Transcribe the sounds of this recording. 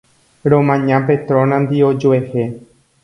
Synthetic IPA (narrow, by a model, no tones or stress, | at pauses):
ɾõmãɲãpet̪ɾõnãnd̪iod͡ʒoehe